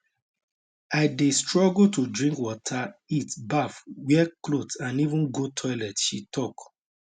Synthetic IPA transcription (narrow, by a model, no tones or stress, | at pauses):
aɪdestɹɔɡultudɹĩŋkwɔtʰaitbafwɛklotãnivũnɡotʰɔɪlɛtʃitʰɔk